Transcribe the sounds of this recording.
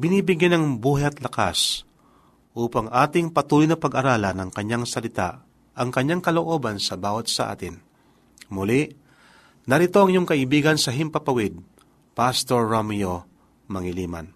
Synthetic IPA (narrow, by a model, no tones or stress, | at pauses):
bɪniːbɪɡjɛnɐŋbuːɦɛɐt̪lɐka̰s | ʔuːpɐŋʔaːt̪ɪŋpɐt̪uːlojnɐpɐɡʔɐɾaːlɐnɐŋkɐɲaŋsɐlɪt̪a̰ʔ | ʔɐŋkɐɲːaŋkɐloʔo̞ːbɐnsɐbaːwɐt̪̚sɐʔa̰ːt̪ɪn | mʊlɪʔ | nɐɾɪt̪o̞ʔɐŋjoŋkɐʔɪbiːɡɐnsɐɦɪmpɐpɐwɪd̪̚ | past̪oɹːomjo | mɐŋɪliːma̰n